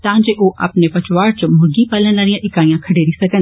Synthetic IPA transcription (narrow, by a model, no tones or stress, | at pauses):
t̪ɐʋãɲd͡ʑeːʔoːʔɐ̰pnepɐt͡ɕʋaːɾt͡ɕmʊɾɡipaːlənlaːɾĩjãʔɪkaːijãkʰɐɽeɾisɐɡən